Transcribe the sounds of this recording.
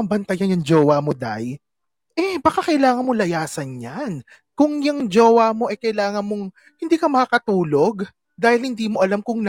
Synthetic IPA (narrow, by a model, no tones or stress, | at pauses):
ɐbɐnt̪ɐjɐnjʊŋd͡ʒoːwamod̪a̰j | ʔɛbɐkakɐʔɪlaːŋɐnmolɐjaːsɐnɲan | kʊŋjɐŋd͡ʒoːwamo̞ʔɛkɐjlaːŋɐnmoŋ | hɪnd̪iːkɐmɐkakɐt̪uːlo̞ɡ | d̪aːhɪlhɪnd̪iːmo̞ʔɐlamkʊŋn